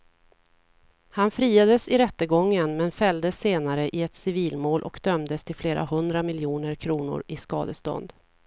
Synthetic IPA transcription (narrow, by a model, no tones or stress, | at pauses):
hanfɾiːad̪əsɪɾɛt̪ːəɡɔŋːənmɛnfɛld̪əsːeːnaɾəʔɪɛt̪sɪviːlmoːlʔɔkd̪œmd̪əst̪ʰɪlfleːɾa̰hɵnd̪ɾamɪljuːnəɾkʰɾuːnʊ̰ɾɪskɑ̰ːd̪əst̪ɔ̰nd̪